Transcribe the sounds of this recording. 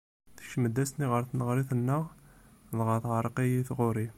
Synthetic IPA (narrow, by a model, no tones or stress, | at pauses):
θə̥ʃməd̪æst̪niʁəɾθnəʁɾiθənːəʁðˤʁəθʕəɾˤqijiθʁʊɾi